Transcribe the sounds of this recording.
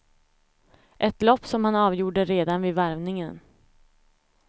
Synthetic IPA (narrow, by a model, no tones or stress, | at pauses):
ʔɛt̪lɔpːsɔmhanɑːvjuːɖəɾeːd̪anvɪːvæɾvnɪŋən